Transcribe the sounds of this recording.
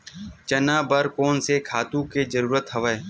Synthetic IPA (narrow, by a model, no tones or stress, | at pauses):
t͡ʃənaːbəɾkoːnsekʰaːt̪ũːkeːzəɾuːɾət̪ɦəʋəeː